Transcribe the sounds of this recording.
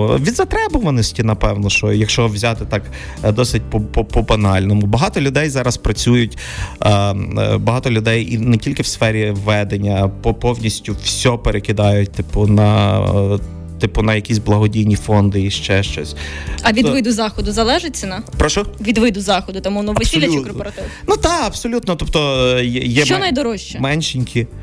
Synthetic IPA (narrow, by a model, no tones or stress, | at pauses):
ʋʲid̪zɐt̪ɾɛbɔʋɐnɔsʲtʲinɐpɛwnɔʃɔjɐkʃt͡ʃɔʋzʲɑt̪ɪt̪ɑk | d̪ɔsɪt̚ʲpɔpɔpɔbɐnɑlʲnɔmʊbɐɦɑt̪ɔlʲʊd̪ɛjzɑɾɐspɾɐt͡sʲujʊtʲ | bɐɦɑt̪ɔlʲʊd̪ɛjinɛtʲilʲkɪwsfɛɾʲiʋɛd̪enʲːɐpɔpɔwnʲisʲtʲʊwsʲɔpeɾekɪd̪ɑjʊt̚ʲt̪ɪpʊnɐ | t̪ɪpʊnɐjɐkʲisʲblˠɐɦɔdʲijnʲifɔnd̪ɪiʃt͡ʃɛʃt͡ʃɔ̰sʲɐʋʲid̪ʋɪd̪ʊzɑxɔd̪ʊzɐlˠɛʒɪtʲt͡sʲːɐnɐpɾɔʃɔʋʲid̪ʋɪd̪ʊzɑxɔd̪ʊt̪ɔmuɔnɔʋɪsʲilʲɐt͡ʃɪkɔrpɔɾɐt̪ɪʋnud̪ɑɐb̥sɔlʲut̪nɔt̪ɔpt̪ɔjɛjɛt͡ʃɔnɐjd̪ɔɾɔʃʲt͡ʃɛmɛnʃɪnʲkʰʲi